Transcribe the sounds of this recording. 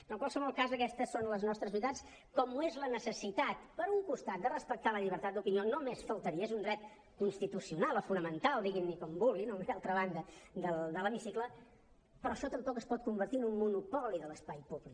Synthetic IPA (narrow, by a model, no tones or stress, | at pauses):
ənəlˠkwalˠsəβɔlˠkazəkɛst̪əsonləznɔst̪ɾəzβit̪at͡s | kɔmuezlənəsəsit̪at̪pəɾuŋkust̪at̪̚d̪ərəspək̚t̪aləʎiβ̞əɾt̪at̪̚d̪upinionomesfəlˠt̪əɾiəezund̪ɾɛt̪̚ | kunst̪it̪usiunalˠofunəmənt̪alˠd̪iɣinːikɔmbulinomalˠt̪ɾəβ̞and̪əd̪əld̪ələmisiklə | pɾɔəʃɔt̪əmpɔkəspɔt̪̚kumbərt̪iənummunupɔliðələspajpuβlik